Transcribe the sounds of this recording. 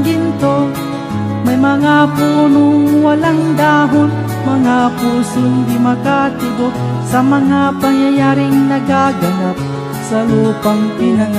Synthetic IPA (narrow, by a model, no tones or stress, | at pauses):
ɡɪnt̪o | mɐjmɐŋapuːnoŋwalaŋd̪aːɦon | mɐŋapusʊnd̪imakat̪ɪɡop̚ | samɐŋapaŋjajaːɾɪŋnɐɡaɡɐnap̚ | saluːpaŋpɪnaŋ